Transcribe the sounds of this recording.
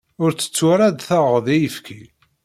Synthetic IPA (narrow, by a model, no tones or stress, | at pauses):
ʊɾt͡sːə̥t͡sːaɾad̪θəʁðijəfkʰi